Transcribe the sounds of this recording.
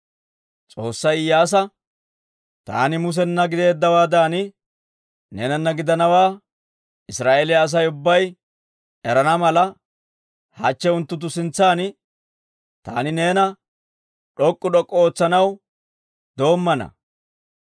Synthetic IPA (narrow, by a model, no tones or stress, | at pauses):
t͡sʼo̞ːsːɐjɪjːaːs̬ɐ | t̪a̰ːnɪmʊs̬ɛnːɐɡɪd̪e̞ːd̪ːɐwaːd̪aːnɪ | ne̞ːnɐnːɐɡɪd̪ɐnɐwaː | ɪsɾaːʔeːlɪaːs̬ɐjʊbːɐj | ɛɾɐnɐmɐlɐ | hɐ̰t͡ʃːɛʊnt̪ːʊt̪̬ːʊsɪnt͡sːaːn | t̪a̰ːnɪne̞ːnɐ | ɗɔkʼːʊɗɔkʼːɔoːt͡sːɐnɐw | d̪o̞ːmːɐnɐ̰